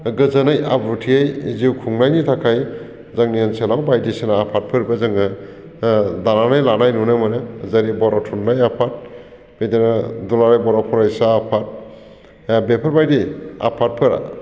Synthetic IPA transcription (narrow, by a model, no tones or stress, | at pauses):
ɡɯzanajʔabɾutʰiejziwkʰuŋnajnitʰakʰaj | zaŋnianselawbajdisenaːpʰat̚pʰɯɾbazɯŋɯ | dananajlanajnunɯmanɯzaɾibɔɾatʰunːajapʰat̚ | bet̪enadulaɾajbɔɾapʰuɾajsaːpʰat̚ | bepʰaɾbajdia̰pʰat̚pʰɯɾa̰